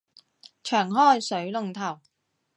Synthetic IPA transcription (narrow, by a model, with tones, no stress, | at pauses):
t͡ʃʰœː˨˩ŋɦɔː˥˩jsɵ˨˥ɥlʊ˨ŋt̪ʰɐ˨˩w